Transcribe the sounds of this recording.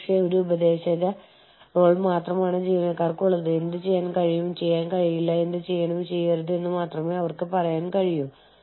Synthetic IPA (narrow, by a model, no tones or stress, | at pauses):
ʂjeoɾuubɐd̪e̞ːɕɐðɐ | ro̞ːɭmaːt̪rɐmaːɳɨd͡ʑiːʋinɐkːaːrkuɭːɐðɨe̞nd̪ɨt͡ɕejːaːnkɐɻijumt͡ɕe̞jːaːnkɐɻijilːɐe̞nd̪ɨt͡ɕe̞jːɐɳumt͡ɕe̞jːɐɾɐðɨe̞nːɨmaːt̪rɐme̞ːɐʋɐrkɨpɐrɐjaːnkɐɻijum